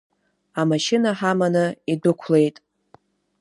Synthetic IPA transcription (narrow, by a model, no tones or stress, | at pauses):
amaʃɪnaħamanɨidʊkʷʰle̞jtʼ